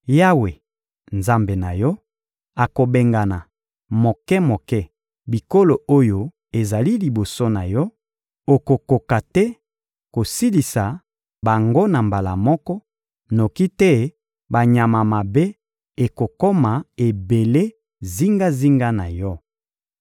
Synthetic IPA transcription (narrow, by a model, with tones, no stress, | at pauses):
ja˦we˨ | nza˦mbe˨na˨jɔ˦ | a˨ko˨be˨ŋɡa˨na˨ | mo˨kɛ˦mo˨kɛ˦ | bi˨ko˦lo˨o˦jo˨ | e˨za˨li˦li˨bo˨so˦na˨jɔ˦ | o˨ko˨ko˨ka˨tɛ˦ | ko˨si˦li˨sa˨ | ba˨ŋɡo˦na˨mba˨la˨mɔ˦kɔ˦ | no˨ki˦tɛ˦ | ba˨ɲa˨ma˨ma˨be˦ | e˨ko˨kɔ˦ma˨e˨be˨le˦ | zi˦ŋɡa˦zi˦ŋɡa˦na˨jɔ˦